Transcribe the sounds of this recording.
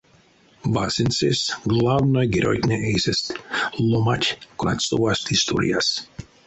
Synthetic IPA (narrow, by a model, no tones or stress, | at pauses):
ʋasinsesɡlˠavnojɡiɾo̰jtnʲeʔejsest̪lˠomatʲkona̰t̪st̪oʋast̪ist̪o̰ɾḭjas